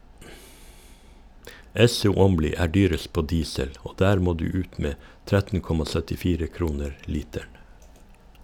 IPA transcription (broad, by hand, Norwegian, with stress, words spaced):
ˈɛsʊ ˈɔmliː ˈæː ˈɖyːɾəs ˈpoː ˈdiːsəl ˈoː ˈdæːɾ ˈmoː ˈdʉː ˈʉːt ˈmeː ˈtɾɛtn̩ ˈkɔmɑ ˌsœtɪˈfiːɾə ˈkɾuːnəɾ ˈliːtæɳ